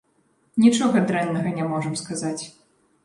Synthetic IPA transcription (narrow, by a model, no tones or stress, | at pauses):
nʲit͡ʂɔɣɐd̪ɾɛnːɐɣɐnʲɛmɔʐɐmskazat͡sʲ